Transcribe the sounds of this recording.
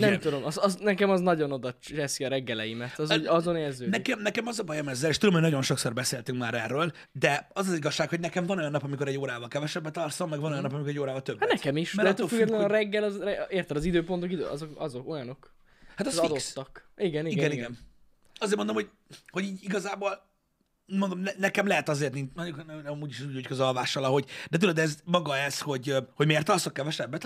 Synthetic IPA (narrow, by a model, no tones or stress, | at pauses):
nɛmt̪ud̪o̞mɒzɒznɛkɛmɒznɒɟo̞no̞d̪ɒt͡ʃt͡ʃɛsiɒɾɛɡːɛlɛjimɛt̪ɒzoɒzo̞neːrzøːnɛkɛmnɛkɛmɒzɒbɒjɛmɛzːɛleːʃt̪ud̪omhnɒɟo̞nʃo̞ksorbɛseːlt̪yŋkmaːɾɛrːøːl | d̪ɛɒzɒziɡɒʃːaːkhoɟnɛkɛɱvɒno̞jɒnːɒpɒmikoɾɛɟoːɾaːvɒlkɛvɛʃɛbːɛt̪ɒrsomːɛɡvɒnojɒnːɒpɒmikoɾɛɟoːɾaːvɒlt̪øbːatnɛkɛmiʃd̪ɛɛt̪ːøfyɡɛt̪lɛnɒɾɛɡːɛlɒzrɛeːrt̪ɛd̪ɒzid̪øːpo̞nt̪okid̪ø̰ʔɒ̰zo̞kɒzo̞ko̞jɒno̞k | hat̪ɛsɒd̪ot̪ːɒkiɡɛniiɡɡɛniɡɛn | ɒzeːɾmond̪omhoɟ̚ | hoɟiːɟiɡɒzaːboːl | mond̪omnɛnɛkɛmlɛɦɛt̪ɒzeːrt̪nint͡ʃnɔuknɛɛmmuːɟiʃɛzuːɟhockɒzɒlvaːʃːɒlɒɦo̞ɟd̪ɛt̪ulød̪ɛzmɒɡɒɛsho̞ɟho̞ɟmeːrt̪ːɒrsokːɛvɛʃɛbːɛt̪